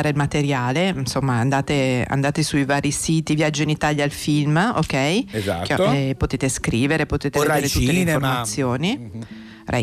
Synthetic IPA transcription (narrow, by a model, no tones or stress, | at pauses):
ɾelmat̪eɾjaːlensomːaːnd̪aːt̪ea̰nd̪aːt̪esujvaːɾisiːt̪ivjad͡ʒːoinit̪aʎjaːlfilmo̰kːɛjzakɛpot̪eːt̪eskɾiːveɾepot̪eːt̪eed̪eeɾett̪ulːeeifformat̪sːjoːni | rʔɛ̰